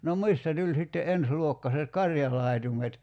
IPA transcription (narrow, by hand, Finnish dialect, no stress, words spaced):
nom mistæ tulʲ sitːe ensluokːɑset kɑrjɑlɑˑi̞tumet